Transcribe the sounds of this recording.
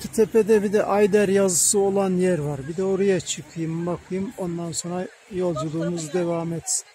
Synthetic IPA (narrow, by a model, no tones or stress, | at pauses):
t̪ʰt̪ʰepʰed̪ɛbid̪ɛʔajd̪æɾjazɯsɯo̞lˠanjæɾvaɾbid̪ɛo̞ɾujat͡ʃʰɯkʰɯjɯmbakʰɯjɯmo̞nd̪anso̞nɾa | jo̞lˠd͡ʒulˠuːmuzd̪evamet̪si̥n